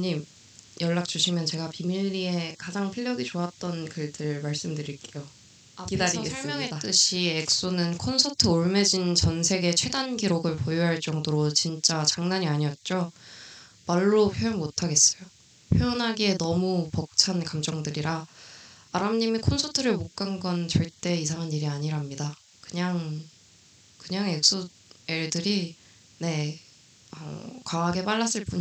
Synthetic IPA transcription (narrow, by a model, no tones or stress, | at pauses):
ɲim | jʌɭːak̚t͡ɕ͈uɕʰimjʌnt͡ɕe̞ɡapimiʎːie̞kad͡ʑaŋpʰiʎjʌɡit͡ɕoat̚t͈ʌnkɯɭdɯɭmaɭs͈ɯmdɯɾiɭk͈ejo | kidaɾiɡesʰmjʌŋedat͈ɯɕʰiek̚s͈onɯnkʰonsʰʌtʰɯoɭme̞d͡ʑint͡ɕʌnsʰe̞ɡe̞t͡ɕʰwe̞danɡiɾoɡɯɭpojuɦaɭt͡ɕ͈ʌŋdoɾot͡ɕint͡ɕ͈at͡ɕaŋnaɲiaɲiʌt̚t͡ɕ͈o | maɭːopʰjojonmotʰaɡe̞s͈ʌjo | pʰjojonɦaɡie̞nʌmupʌk̚t͡ɕʰankamd͡ʑʌŋdɯɾiɾaː | ɾamɲimikʰonsʰotʰɯɾɯɭmok̚k͈anɡʌnt͡ɕʌɭt͈e̞isʰaŋɦaniɾiaɲiɾamɲida | kɯɲaŋ | kɯɲaŋek̚s͈u | eɭdɯɾi | ne̞ | ʌ̰kwaːɡe̞paɭːas͈ɯɭp͈uɲ